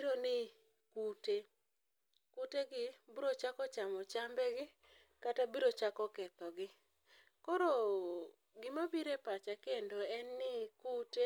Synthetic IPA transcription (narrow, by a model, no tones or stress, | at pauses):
ɾonɪ | kute | kuteɡɪbuɾot͡ʃakɔt͡ʃamɔt͡ʃambɛɡɪ | katabiɾot͡ʃakɔkɛt̪ɔɡɪ | kɔɾɔ | ɡɪmabiɾepat͡ʃakendoɛnːɪkute